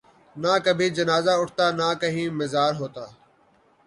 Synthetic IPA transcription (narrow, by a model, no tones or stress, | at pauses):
nãːkəbʱĩːd͡ʒənaːzaːʊʈʰt̪aːnaːkəɦĩːmɪzaːɾɦoːt̪aː